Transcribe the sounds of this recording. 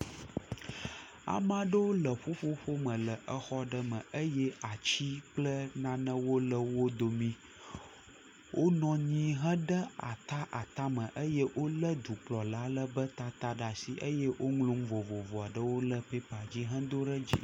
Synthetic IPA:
a̰˨mã˦ɖə˦wo˦lə˨ɸo˦ɸo˦ɸo˦mə̃˨lə˨ʔə˦xɔ˦ɖə˦mə̃˨ʔə˦jɛ˦a˨t͡ɕi˦k͡plə˦nã˦nə̃˦wo˦lə˦wo˦d̪o˨mĩ˦ | wʔo˦nɔ̃˨ɲĩ˦ɦə̃˦ɖə˦a̰˨t̪a˦ʔa˨t̪a˦mə̃˨ʔə˦je˦wʔo˦lə˦d̪u˨k͡plɔ˨la˨˦lə˦bə˦t̪a˦t̪a˦ɖa˨si˨ʔə˦jɛ˦wʔo˦ŋlũ˦mvo˨vo˨vɔ˨a˨ɖə˦wo˦lə˦pe˦pa˨d͡ʑi˦ɦə̃˦d̪o˦ɖə˦d͡ʑḭ˨

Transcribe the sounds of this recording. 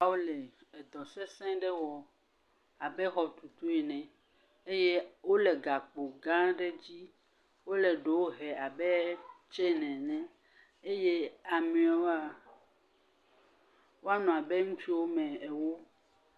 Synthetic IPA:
a˨wo˦le˨e˨d̪ɔ˨se˦sɛ̃˦ɖe˦wɔ˨ | a˨be˦xɔ˨t̪u˨t̪o˦i˨nɛ̃˨ | e˦je˦wo˦le˨ɡa˨k͡po˨ɡã˦ɖe˦d͡ʑi˦ | wo˦le˨ɖe˨wo˦ɦɛ˨a˨be˦t͡ʃe˦nɛ̃˨nɛ̃˦ | e˦je˦a˨mĩ˨a˨˦wo˦a˨ | wo˦a˦nɔ̃˨a˨be˦ŋũ˦t͡ʃi˦wo˦mɛ̃˨e˨wo˦

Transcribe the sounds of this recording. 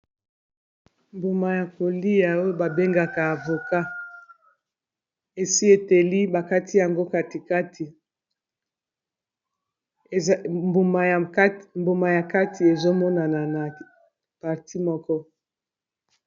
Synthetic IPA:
mbu˨ma˨ja˨ko˨li˦ja˨o˦ba˨be˦ŋɡa˨ka˨a˨vo˨ka˦ | e˨si˦e˨te˨li˦ba˨ka˦ti˦ja˨ŋɡo˦ka˨ti˨ka˦tʰi˨ | mbu˨ma˨˦mbo˨ma˨ja˨ka˦ti˨e˨zo˦mɔ˦na˨na˨na˨ | pa˨ʁti˦mɔ˦kɔ˦

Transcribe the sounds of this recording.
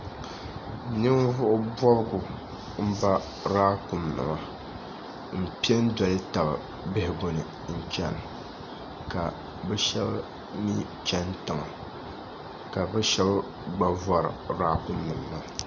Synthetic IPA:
nɨ˦mvʊ˦ʔʊ˦bɔ˦bɡʊ˨ | m̩˦ba˦ | ɾaː˦kʊ˨mnɨ̰˨ma˦ | m̩˨pi˦ɛ˦n̩˦dɔ˨lɪ˦ta˨bɨ̰˨ | bɪ˦hɪ˨ɡo˨nɨ˨ | n̩˨t͡ʃɛ˦n˨ | ka˨ | bɛ˦ʃɛ˦b | ɲi˦ | t͡ʃɛ˦ntɨ˨ŋa˨ | ka˨bɛ˦ʃɛ˦b | ɡ͡ba˨vɔ˦ɾɨ̰˨ɾaː˦kʊ˦mnɨ˨m˨la˦

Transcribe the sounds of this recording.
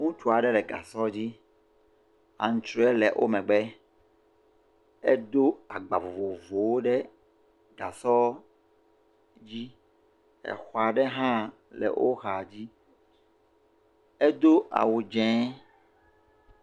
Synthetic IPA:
ŋũ˦t͡ʃu˦a˨ɖɛ˦lɛ˨ɡa̰˨sɔ˦d͡ʑi˦ | a̰˨ŋ̩̃˨t͡ʃɾo˦ɛ˦lɛ˨ʔo̰˦mɛ̃˨ɡ͡bɛ˦ | e˦d̪o˦a˨ɡ͡ba˨vo˨vo˨vo˨wo˦ɖɛ˦ | ɡa̰˨sɔ˦ | d͡ʑi˦ | ɛ̰˨xɔ˨a˨ɖɛ˦ɦã˦ | lɛ̰˨wʔo˦xa˨d͡ʑi˦ | e˦d̪o˦ʔa̰˨wu˨d͡ʒɛ̃˨˦

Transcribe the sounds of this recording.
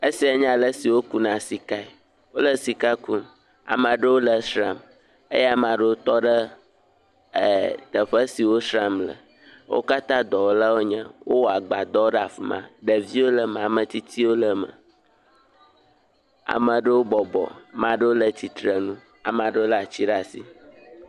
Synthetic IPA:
e˦si˨˦a˨ɲã˦˨lə˦si˨wo˦ku˦nã˨si˨ka˦ɛ˨ | wo˦lə˦si˨ka˦ku˦ | a̰˨mã˨ɖə˦wo˦lə˨sɾa˨m | ḛ˦ja˨mã˨ɖə˦wo˦t̪ɔ˦ɖə˦˨ | d̪̥ə˨ɸə˦si˨wo˦sɾa˦˨mlə̰˨ | wo̰˦ka˦t̪ã˦d̪ɔ˨wo˦la˦wo˦ɲɛ̃˦wʔo˦wɔ˦a˨ɡ͡ba˨d̪ɔ˦wo˦ɖə˦a˨fi˨mã̰˦ɖə˨vi˦wo˦lə˦m˨a˨mə̃˨t̪i˦t̪ʰi˦wo˦lə˦mə̰̃˨ | a̰˨mə̃˨ɖə˦wo˦bɔ˨bɔ̰˨mã˦ɖə˦wo˦lə˦t̪i˨t̪ɾə˨nũ˦ | a̰˨m˨a˨ɖə˦wo˦lə˦a˨t͡ɕi˦ɖa˨sḭ˨

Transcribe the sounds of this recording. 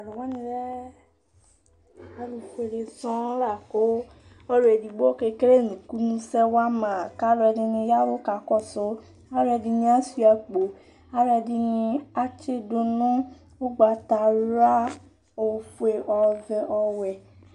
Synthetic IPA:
a˨lɔ˨wa˦nĩ˧lɛ˦ | a˨˦lu˨ke˨le˨sɔ̃˦la˨ko˨˦ | ɔ˦ɾo˨e˨di˨ɡ͡bo˦ke˧ke˦ɾe˦˨nũ˨ku˦nũ˦sɛ˦wa˦mã˨ka˦lɔ˧ɛ˧di˧nĩ˧ja˦wo˦ka˨kɔ˦˨so˨˧ | a˦ɾɛ˧di˧nĩ˧˦a˦si˦a˧k͡po˨ | a˦ɾɛ˧di˧nĩ˧a˦t͡ʃe˦do˧nɔ̃˦ | wo˦ɡ͡ba˨ta˨ɾa˦ | o˨fu˨e˨ʔɔ˨vɛ˧ʔɔ˧wɛ˨

